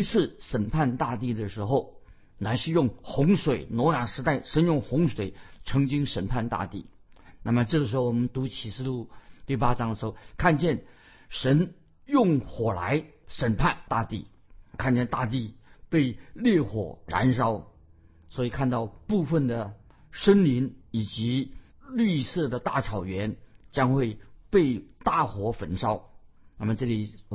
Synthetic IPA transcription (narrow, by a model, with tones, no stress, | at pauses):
t͡sʰɹ̩˥˩ʂə˨˩npʰa˥˧nt̪a˥˧t̪i˥˩d̪ə˩ʂɻ̩˧˥xo˥˩ʊ | na˧˥ɪʂɻ̩˥˧jʊ˥˩ŋxʊ˧˥ŋʂwe˨˩ɪnwɔ˧˥ja˨˩ʂɻ̩˧˥t̪a˥˩ɪʂə˧˥njʊ˥˩ŋxʊ˧˥ŋʂwe˨˩ɪʈ͡ʂʰɤ˧˥ŋt͡ɕi˥ŋʂə˨˩npʰa˥˧nt̪a̰˥˧t̪ḭ˥˩ | na˥˩mə˩ʈ͡ʂɤ˥˩ə˩ʂ̬ɻ̩˧˥xo˧˩ʊwɔ˨˩mə˦nt̪u˧˥t͡ɕʰi˨˩ʂɹ̩˥˧lu˥˩t̪i˥˩pa˥ʈ͡ʂɑ˥ŋd̪ə˩ʂɻ̩˧˥xo˥˩kʰa˥˧nt͡ɕjɛ˥˩n | ʂə˧˥n | jʊ˥˩ŋxwɔ˨˩la̰˧˥ɪʂə˨˩npʰa˥˧nt̪a̰˥˧t̪i˥˩ | kʰa˥˧nt͡ɕjɛ˥˧nt̪a˥˧t̪̬i˥˧pe˥˧ɪljɛ˥˩xwɔ̰˨˩ɻa̰˧˥nʂ̬ɑ˥ʊ | swɔ˧˥i˨˩kʰa˥˧nt̪ɑ˥˧ʊpu˥˧fə˥˩nd̪ə˩ | ʂə˥nli˧˥ni˨˩t͡ɕi˧˥ | ly˥˧sɤ˥˩d̪ə˩t̪a˥˩ʈ͡ʂʰɑ˨˩ʊɥɛ˧˥nt͡ɕjɑ˥ŋxwe˥˧ɪpe˥˧ɪt̪a˥˩xwɔ˧˥fə˨˩nʂɑ˥ʊ | na˥˩mə˩ʈ͡ʂɤ˥˩li˨˩